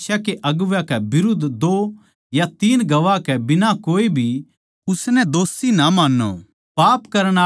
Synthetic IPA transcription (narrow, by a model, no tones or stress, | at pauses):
ʃakeʔɐɡʊʋakɛbɪɾʊd̪ʱd̪oː | jat̪iːnɡɐʋakɛbɪnakoːibʱi | ʊsnɛd̪oːsinamaːnːo̰ | paːpkɐɾɽ̃a